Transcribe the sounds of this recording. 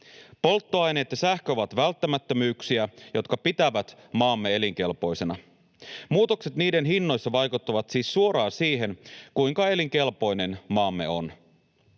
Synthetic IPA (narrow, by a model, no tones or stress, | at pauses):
po̞lt̪ːoɑjne̞ːt̪jɑsæhkøoʋɑt̪ʋælt̪ːæmæt̪ːømyːksiæjo̞t̪kɑpit̪æʋæt̪mɑːmːee̞liŋk̟e̞lpo̞jse̞nɑ | muːt̪o̞kse̞t̪niːde̞nɦinːo̞jsːɑʋɑjkut̪ːɑʋɑt̪siːsːuo̞ɾɑːsiːɦe̞nkujŋkɑe̞liŋke̞lpo̞jne̞nmɑːmːe̞̰o̞̰n